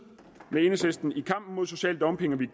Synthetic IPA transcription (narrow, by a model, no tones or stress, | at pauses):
mee̝nəsesd̥n̩ikʰɑ̈m̰b̥n̩mo̝ðˠs̬o̝ɕɛ̰ːləd̥ɒ̽mpʰe̝ŋɐʋiɡ